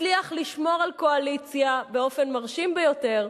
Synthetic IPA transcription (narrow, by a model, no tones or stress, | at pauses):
liaχliʃmo̞ʁalko̞alit͡sjabe̞o̞fe̞nmaʁʃimbejo̞te̞ʁ